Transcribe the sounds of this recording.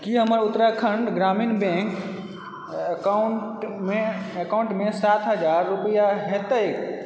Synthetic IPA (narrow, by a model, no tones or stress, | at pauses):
kiɦəməɾut̪ːɾakʰəɳɖɡɾaminbẽk | kauɳʈmeekauɳʈmesat̪ɦəd͡ʒaɾːupəjaɦet̪əjk